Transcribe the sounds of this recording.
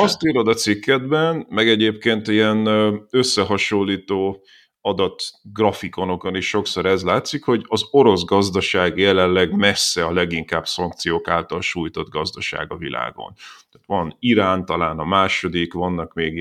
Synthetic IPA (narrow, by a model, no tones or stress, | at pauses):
ɒst̪iːɾod̪ɒt̪sikːɛd̪bɛnmɛɡɛɟeːpkeːnt̪iɛnø̞sːɛɦɒʃolːiːt̪oː | ɒd̪ɒt̪ɡrɒfiko̞no̞koniʃːo̞kso̞ɾɛzlaːt̪sikho̞ɟɒzo̞ɾo̞zɡɒzd̪ɒʃaːɡjɛlɛllɛɡmɛsːɛɒlɛɡiŋkaːbsɒŋk̚t̪sijoːkaːlt̪ɒlʃuːjt̪o̞d̪ɡɒzd̪ɒʃa̰ːɡɒvḭlʔa̰ːɡo̰nt̪aːt̪ʋɒniɾaːnt̪ɒlaːnɒmaːʃo̞d̪ikʋɒnːɒkmeːɡ